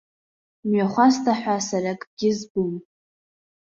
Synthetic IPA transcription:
mɥaχʷastʰʼaħʷasarakʼɡ̥ʲɪzɡum

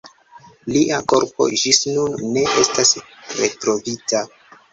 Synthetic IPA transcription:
liʔako̞ɾpo̞̰d͡ʒisnunːe̞ʔe̞stas | ɾe̞tɾo̞vita

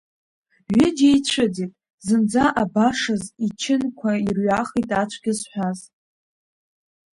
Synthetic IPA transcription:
ɥɪd͡ʒejt͡ɕʷʰaditʼ | zɨnd͡zaʔabaʂazit͡ʃʰɪnkʷʰairɥaχijtʼat͡ʃʷʰɡʲɪzħʷᶣaz

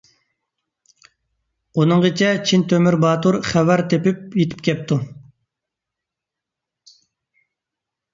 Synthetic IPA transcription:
unɨŋʁit͡ʃʰɛt͡ʃʰint̪ʰømyɾbɑːt̪uɾχɛvæɾt̪ʰepɪp̚jet̪ʰy̥p̚kʲɛp̚t̪ʰu

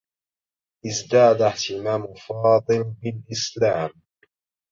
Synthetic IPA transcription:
ʔɪzd̪aːd̪aht̪ɪmaːmʊfɑːd̪ˤɨlbɪlʔɪslaːm

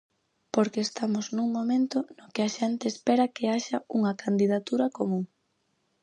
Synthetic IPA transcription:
poɾkeːst̪amʊznuŋmomẽnt̪ʊnokɪaʃɛnt̪eːspeɾɐkeaʃɐuŋɐkand̪iðat̪uɾɐkomũŋ

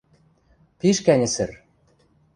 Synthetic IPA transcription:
piʃkænʲɘ̆sɘ̆r

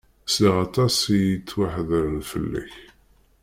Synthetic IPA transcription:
siʁɑt̪ˤɑsijit͡sːwaħðəɾlfə̰lːæ̰ç

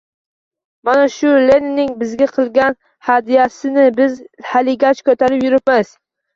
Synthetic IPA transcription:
manaʃʊlenɪnɪŋbɪzɡʲaqʰɨlˠɡʲan | had̪ijasɪnɪbɪzhalɪɡʲat͡ʃkʰɵt̪ʰaɾɪpjʊɾɪp̚maz̥

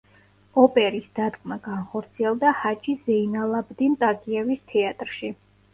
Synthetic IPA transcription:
ɔpʼɛɾisd̪̥ad̪kʼmaɡanχɔɾt̪sʰiɛlˠd̪ahat͡ʃʼizɛinalˠabd̪int̪ʼaɡʼiɛvist̪ʰɛat̪ʼɾʃi

